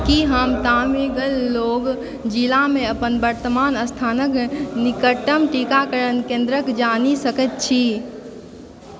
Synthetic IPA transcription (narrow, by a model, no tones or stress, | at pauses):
kiɦəmt̪ameɡəlːoːɡ | d͡ʒilamẽəpənbəɾt̪əmaːnəst̪ʰaːnəknikəʈəmʈikakəɾənkẽnd̪ɾəkd͡ʒaːnisəkət̪̚t͡ʃʰi